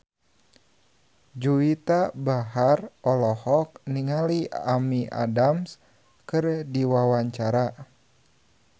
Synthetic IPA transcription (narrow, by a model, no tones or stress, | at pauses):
d͡ʒuit̪abaɦarɔlɔhɔk̚niŋaliamiʔa̰dams | kɨrdiwawaɲt͡ʃaɾa